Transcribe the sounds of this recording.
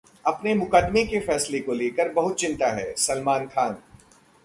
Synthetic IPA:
ɐpnemʊkəd̪mekefɛːslekoleːkəɾbɐɦʊt̪̚t͡ʃɪ̃nt̪aɦɛːsɐlmaːnkʰaːn

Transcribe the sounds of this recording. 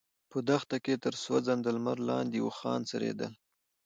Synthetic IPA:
pəd̪axt̪aket̪əɾswad͡zand̪əlmaɾlɑnd̪iwuxɑ̰nt͡saɾḛd̪ə̰l

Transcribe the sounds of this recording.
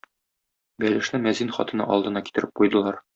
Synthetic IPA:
bælɘ̆ʃnɘmæzinχɒ̰t̪ɤ̆nɑ̰ʔɒ̰lˠd̪ɤ̆nɑki̥t̪ɘ̆ɾɘp̚qujd̪ɤ̆lˠɑɾ

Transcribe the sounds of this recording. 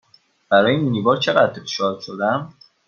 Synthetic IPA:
b̥æɾɒːjeiiniːbɒːɾt͡ʃʰe̞ɣæd̪efe̥ʃɒːlʃo̞d̪æm

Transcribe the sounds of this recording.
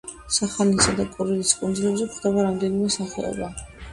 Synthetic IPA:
saχanisad̪akʼuɾiliskʼund̪zilɛbzɛkχd̪ɛbaɾamd̪ɛnimɛsaχɛ̰ɔ̰ba

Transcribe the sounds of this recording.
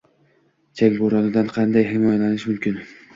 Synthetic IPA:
t͡ʃʰakʲboɾɒnɪd̪anqʰɑnd̪ajɦɪmɒjalanɪʃmʊmkʲɪn

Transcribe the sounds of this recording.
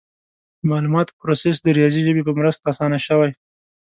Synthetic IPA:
mɑlumɑt̪pɾoses̬d̪əɾijɑziʒəbepəmɾəst̪aːsɑnaʃəwaj

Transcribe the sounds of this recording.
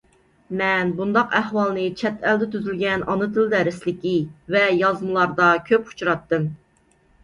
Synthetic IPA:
mɛnbund̪ɑqæhwɑlˠnɨt͡ʃʰɛt̪ʰɛld̪ɛt̪yzylɡʲɛnɑnɨt̪ɨld̪ɛɾɪslɪkʲivɛjɑzmɨlˠɑɾd̪ɑkʲʰøpu̥t͡ʃuɾɑt̪ːɨm

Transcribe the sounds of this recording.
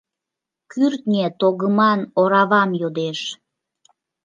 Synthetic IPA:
kyrt̪nʲet̪oɣəmɑnoɾɑβɑmjod̪eʃ

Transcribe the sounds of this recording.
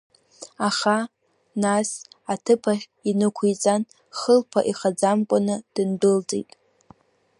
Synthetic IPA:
aχa | nasatʰɨpʰaχʲ | inɨkʷʰijt͡sʼan | χəlpʰaʔiχad͡zamkʷʼanɨd̥ɨndɨld͡zʼḛjtʼ

